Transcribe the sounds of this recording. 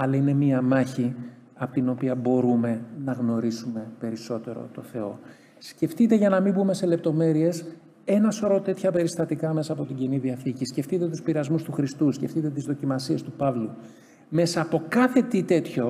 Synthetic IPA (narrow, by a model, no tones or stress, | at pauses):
ɐlɐine̞miɐmɐçi | ɐpot̪ino̞piɐbo̞ɾume̞nɐɣno̞ɾisume̞pe̞ɾiso̞t̪e̞ɾo̞̰t̪o̞θe̞o̞ | sce̞ft̪it̪e̞ʝɐnɐmibume̞se̞le̞p̚t̪o̞me̞ɾie̞s | e̞nɐsoɾot̪e̞t̪çɐpe̞ɾist̪ɐt̪ikɐme̞sɐːpo̞t̪iɟiniðiɐθicisce̞ft̪it̪e̞t̪uspiɾɐzmust̪uxɾist̪usce̞ft̪it̪e̞t̪izðo̞cimɐsie̞st̪upɐvlu | me̞sɐːpo̞kɐθe̞t̪it̪e̞t̪ço̞